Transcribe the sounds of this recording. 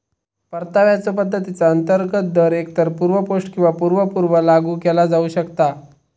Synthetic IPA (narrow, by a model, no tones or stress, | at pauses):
pəɾt̪aʋjat͡sop̬əd̪ʱːət̪it͡saənt̪əɾɡət̪̚d̪ʱəɾekt̪əɾpuːɾʋəpoʂʈkĩw̃ʋapuɾʋəpuɾʋəlaɡuːkelad͡zauɕəkt̪a